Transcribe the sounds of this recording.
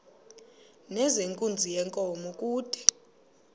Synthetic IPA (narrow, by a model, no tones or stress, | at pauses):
nɛzeŋkʼund͡zʱijɛŋkʼɔmɔkʼuːd̥ʰʱʼi̥